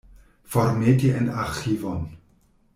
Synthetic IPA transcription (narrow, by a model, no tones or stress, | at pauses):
fɔrmɛdiənaχivɔn